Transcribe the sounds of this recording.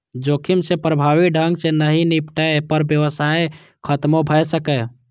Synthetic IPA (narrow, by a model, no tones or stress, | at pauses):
d͡ʒokʰimsepɾəbʱaʋiɖʱəŋɡsenəɦinipʈəpəɾbjəʋəsae | kʰət̪mobʱəjsəkə